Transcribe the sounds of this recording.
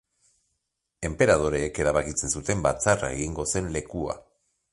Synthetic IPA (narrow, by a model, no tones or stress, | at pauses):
e̞mpe̞ɾað̞o̞ɾe̞ːke̞ɾaβakit͡se̞nsut̪e̞mbat͡sara̰e̞ɣ̞iŋɡo̞se̞nle̞kua̰